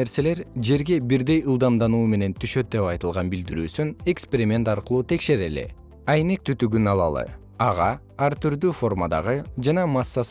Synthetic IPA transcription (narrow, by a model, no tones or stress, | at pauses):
e̞ɾse̞le̞ɾd͡ʒe̞ɾɡe̞biɾd̪e̞jɯlˠd̪ɑmd̪ɑnuːme̞ne̞nt̪ʰyʃø̞t̪̚d̪e̞pɑjt̪ɯlˠʁɑnbild̪iɾy̰ːsynekspʲeɾʲimʲe̞nt̪ɑɾqɯlˠuːt̪ʰe̞kʃe̞ɾelḛ | ɑjne̞k̚t̪ʰyt̪yɡynɑlˠɑ̰lˠɯ̰ | ɑʁɑ | ɑɾt̪yɾd̪yfo̞rmad̪ɑ̰ʁɯd͡ʒɑnɑmɑsːɑs